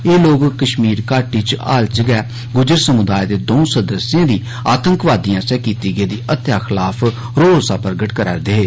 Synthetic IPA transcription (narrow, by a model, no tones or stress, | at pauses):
eːloːkkəʃmiːɾkaːʈiːt͡ʃa̰ːlt͡ʃəɡɛː | ɡʊd͡ʒəɾsəmʊd̪aːjd̪eːd̪oːsəd̪əsɪjãːd̪iː | aːt̪əŋkʋaːd̪ijãːsɛːkiːt̪iːɡeːd̪iːʔət̪jaːxʰɪlaːpʰ | ɾoːɾoːsaːpəɾɡəʈkəɾa̰ːɾd̪eːeː